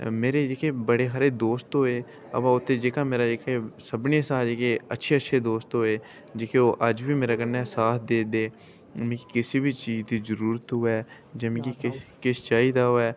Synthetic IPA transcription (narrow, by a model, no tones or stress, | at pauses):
meːɾeːd͡ʒeːkʰeːbəɽeːɦaːɾeːd̪oːst̪ɦoːeː | ə̰pãːʊt̪ʰːeːd͡ʒeːkãːmeːɾaːd͡ʒeːkʰeːsəbneːsaːd͡ʒeːkeːətːʃʰeːətːʃʰeːd̪oːst̪ɦoːeː | d͡ʒeːkeoːʔəd͡ʒbiːmeːɾaːkəɾnɛːsaːt̪ʰd̪eːd̪eː | mẽːkikɪseːbiːt͡ʃiːd͡ʒd̪iːzəɾuːɾət̪ɦʊːɛː | d͡ʒəmĩːkikkɪst͡ʃaːiːd̪aːɦoːɛː